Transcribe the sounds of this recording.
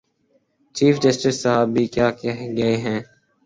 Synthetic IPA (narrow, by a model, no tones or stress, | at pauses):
t͡ʃiːfɖɪsʈɪssːəɦaːbʱːiːkjaːkɛɦɡɐeɦɛ̃ː